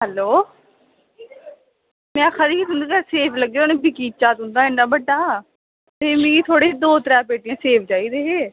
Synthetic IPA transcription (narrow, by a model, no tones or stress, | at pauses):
ɦɛloː | mɛ̃ːxəɾiːt̪ʊnd̪iːkɛːseːpʰləɡːeonẽːbɪkiːt͡ʃaːt̪ɦʊ̃nd̪aːɪnːaːbəɖaː | t̪eːmẽːiːt̪ʰoːɽeːd̪oːt̪əɾɛːpeːʈɪjãːseːpʰd͡ʒaːiːd̪eːɦeː